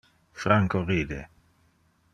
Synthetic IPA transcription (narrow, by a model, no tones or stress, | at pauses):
fɾaŋkoʁiːd̪ḛ